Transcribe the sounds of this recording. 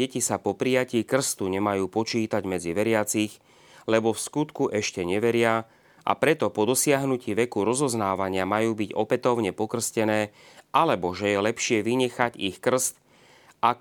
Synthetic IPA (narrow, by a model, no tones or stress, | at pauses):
ɛcisapɔpɾijaciːkr̩st̪uɲɛmajuːpɔt͡ʃiːt̪aɟmɛd͡ziʋɛɾɪat͡six | lɛbɔfskut̪kuʔɛʃcɛɲɛʋɛɾɪa | ʔa̰pɾɛt̪ɔpɔd̪ɔsɪaɦnuciːʋɛkuɾɔzɔznaːʋaɲɪamajuːbiɟɔpɛt̪ɔʊɲɛpɔkr̩scɛnɛːʔalɛbɔʒɛjɛlɛpʃɪɛʋiɲɛxaɟixkr̩st̪ | a